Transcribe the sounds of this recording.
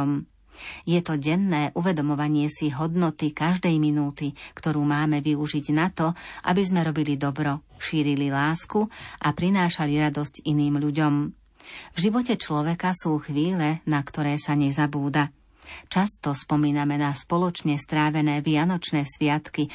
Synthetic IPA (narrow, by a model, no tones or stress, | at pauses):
m | jɛt̪ɔɟɛnːɛːʔuʋɛd̪ɔmɔʋaɲɪɛsiɦɔd̪nɔt̪ikaʒd̪ɛjminuːt̪ikt̪ɔɾuːmaːmɛʋiuʒiɟnat̪ɔʔa̰bizmɛɾɔbilid̪ɔbɾɔ | ʃiːɾililaːskuʔapɾinaːʃaliɾad̪ɔsciniːmʎuɟɔm | vʒiʋɔcɛt͡ʃlɔʋɛkasuːxʋiːlɛnakt̪ɔɾɛːsaɲɛzabuːd̪a | t͡ʃast̪ɔspɔmiːnamɛnaspɔlɔt͡ʃɲɛst̪ɾaːʋɛnɛːʋɪanɔt͡ʃnɛːsʋɪat̪ki